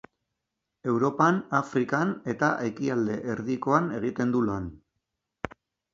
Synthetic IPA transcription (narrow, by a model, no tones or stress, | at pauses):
e̞wɾo̞panafɾikane̞t̪aʔekiald̪e̞ʔeɾðiko̞ane̞ɣ̞it̪e̞nd̪ulan